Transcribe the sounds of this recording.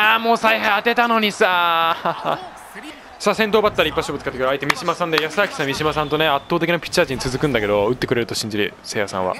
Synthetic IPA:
aːmo̞ːsaiɦaiat̪e̞t̪ano̞ɲ̟isaː | saːsẽ̞nt̪o̞ːbat̪ːaɾʲipːaɕobɯt͡sɨ̥kat̪ːakɾait̪emʲiɕimasãnd̪ejasakʲi̥sãmʲiɕimasãnt̪o̞ne̞at̪ːoːt̪e̞kʲinapʲi̥t͡ɕːaːt͡ɕiɲ̟it͡sɨzɨkɯ̃nd̪ake̞d̪o̞ɯ̟t̪ːekɯ̟ɾe̞ɾɯt̪o̞ɕĩɲ̟d͡ʑiɾɯ̟̰ | seːjasã̰βa̰

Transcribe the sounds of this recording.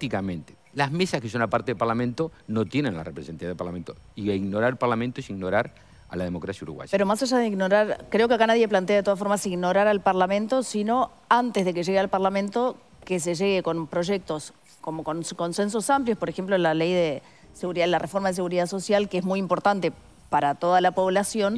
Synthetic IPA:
t̪ikamẽnt̪e | lazmesaskesonapaɾt̪eðelpaɾlamẽnt̪onot̪jenenla̰repɾesent̪ijaðepaɾlament̪o | iiɣnoɾaɾelpaɾlamẽnt̪oesiɣnoɾaɾ | a̰laðemo̞kɾasjaṵɾṵɣwa̰ʒapeɾomasaʒaðeiɣno̞ɾaɾkɾe̞okeakanaðje̞plant̪eaðet̪oafoɾmasiɣno̞ɾaɾalpaɾlamẽnt̪o̞sino̞ | ant̪ezðe̞keʒeɣealpaɾlamẽ̞nt̪o | kes̬eʒeɣeko̞npɾo̞ʒe̞k̚t̪o̞s | komo̞konsko̞nse̞ns̬o̞sampljo̞spo̞ɾexemplolalejðe | seɣuɾiðalarefo̞ɾmaðes̬e̞ɣuɾiðaso̞sjalkeezmujimpoɾt̪ant̪e | paɾat̪o̞ðalapo̞βlasjo̞n

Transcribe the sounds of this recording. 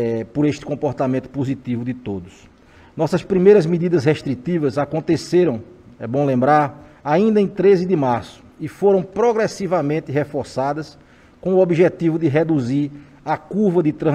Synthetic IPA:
ɛpoɾeʃt̪ɪ̥kõpɔɾt̪amẽnt̪ʊ̥pozit̪ivʊd̪ɪt̪od̪ʊs | nɔsɐspɾimejɾɐzmid̪id̪ɐzɦeʃt̪ɾit̪ivɐzakõnt̪eseɾɐ̃w̃ | ɛbõw̃lẽmbɾaɾaĩnd̪ɐẽj̃t̪ɾezɪd̪ɪmaɾsʊ̥ɪfoɾɐ̃w̃pɾoɡɾesivɐmẽnt̪ɪɦefɔɾsad̪ɐs | kõw̃uobiʒet̪ivʊd̪ɪɦed̪uziɾ | ɐkuɾvɐd̪ɪt̪ɾɐ̃

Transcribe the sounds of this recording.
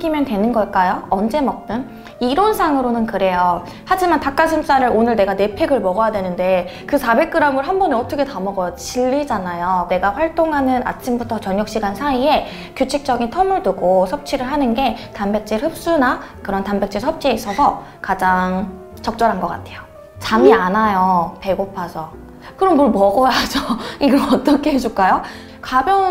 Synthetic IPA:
ɡimjʌntwe̞nɯnɡʌɭk͈ajoʌnd͡ʑe̞mʌk̚t͈ɯn | iɾonsʰaŋɯɾonɯnkɯɾe̞jo | had͡ʑimantak͈ad͡ʑʰims͈aɾɯɾonɯɭne̞ɡane̞pʰe̞ɡɯɭmʌɡʌjadwe̞nɯnde̞kɯsʰabe̞k͈̚ɯɾamɯɭɦambʌnɯnʌtʰʌkʰe̞tamʌɡʌt͡ɕiɭːid͡ʑanajone̞ɡaɸwaɭt͈oŋɦanɯna̰t͡ɕʰimbutʰʌt͡ɕʌɲjʌk̚ɕ͈iɡansʰaie̞ | kjut͡ɕʰik̚t͡ɕ͈ʌɡintʰʌmɯɭduɡosʰʌp̚t͡ɕʰiɾɯɭɦanɯnɡe̞tanbe̞k̚t͡ɕ͈ihɯp̚s͈unakɯɾʌntambek̚t͡ɕ͈ʰisʰʌp̚t͡ɕʰiesʰʌsʰʌ | kad͡ʑaŋ | t͡ɕʌk̚t͡ɕ͈ʌɾɦanɡʌk͈a̰tʰe̞jo | t͡ɕamianajope̞ɡopʰasʰʌ | kɯɾʌmbuɭmʌɡʌjad͡ʑoiɡʌmʌt͈ʌkʰe̞ed͡ʑuk͈ajo | kabjʌŋ

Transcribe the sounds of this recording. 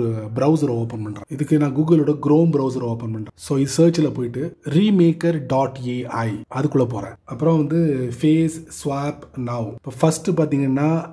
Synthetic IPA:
ɾɯbɾɐʊs̬ɐɾoːpːɐnpɐɳɖɾẽːɪðɯkːɯnãːɡuːɡɐlʊɽɐɡɾoːmbɾɐʊs̬ɐɾoːpːɐnpɐɳɖɾ̃soːɪðɯsəːɾt͡ʃɪlɐpoːjɪʈːɯɾiːmeːkɐɾɖaːʈːeːɐɪɐðɯkːɯɭːɐp̬oːɾḛ̃ːɐpːɯɾõʋɐnd̪ɯfeːssʋaːpnaːʋɪpːoːfɐsʈɯpaːɾt̪iːŋɡɐnːaː

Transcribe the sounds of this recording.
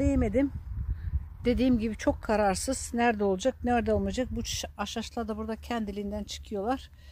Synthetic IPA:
ejeme̞d̪im | d̪e̞d̪iːmɟibit͡ʃʰo̞kʰːaɾaɾsɯz̥næɾd̪ɛo̞lˠud͡ʒak̚næɾd̪ɛolˠmujad͡ʒak̚but͡ʃʰaʃaʃlˠaɾd̪abuɾd̪acʰɛnd̪ilʲiind̪ænt͡ʃʰɯ̥kʰɯjo̞lˠaɾ̥

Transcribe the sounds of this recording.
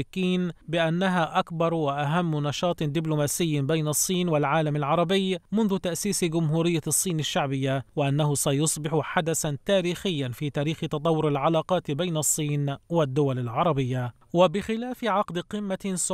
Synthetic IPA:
kiːnbɪʔanːaɦaːʔakbɑɾˤwɪʔaɦamːnɑʃɑːt̪ˤd̪ɪblʊmaːsɪjːbejnɑsˤːiːnwɪlʕaːlamalʕɑɾˤɑbɪjmʊnðʊt̪aʔsiːsɡʊmɦuːɾɪjːasˤːiːnaʃːaʕbɪjːawɪʔanːahʊsajʊsˤbɪħʊħad̪asant̪aːɾiːxɪjːanfiːt̪aːɾiːxɪt̪ɑt̪ˤɑwːʊɾɪlʕalɑːqɑːt̪bejnɑsˤːiːnwɪd̪ːʊwalalʕɑɾˤɑbɪjːa | wɪbɪxɪlaːfɪʕɑqd̪qɪmːas

